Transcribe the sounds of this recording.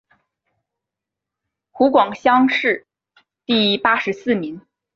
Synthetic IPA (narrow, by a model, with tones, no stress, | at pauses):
xu˧˥kwɑ˨˩ŋɕjɑ˥ŋʂɻ̩˥˩ | t̪i˥˧pa˥ʂɻ̩˧˥sɹ̩˥˩mi˧˥ŋ